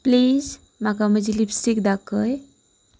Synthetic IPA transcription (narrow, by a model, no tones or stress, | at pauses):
pliːz | makaməd͡ʒilipsikd̪akəj